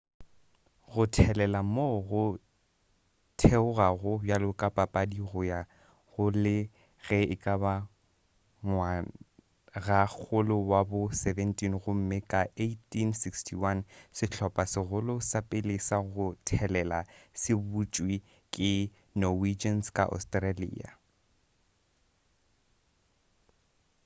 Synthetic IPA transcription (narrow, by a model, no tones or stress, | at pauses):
ɣʊtʰɛlɛlamoɣʊ | tʰeʊɣaɣʊbjalʊkʼapʼapʼadiɣɔja | ɣʊlɪ | ɣɛɪkʼaba | ŋwa | ɣak͡xʊlʊwabʊsɛvɛntʼinɣʊm̩mɪkʼaetʼinsikstʰiwansɪt͡ɬʰɔpʼasɪɣʊlʊsapʼelesaɣʊtʰɛlɛlasɪbut͡ʃʼwi | kʼɪ | nɔwid͡ʒanskʼa̰ʔɔ̰stʼralḭːa̰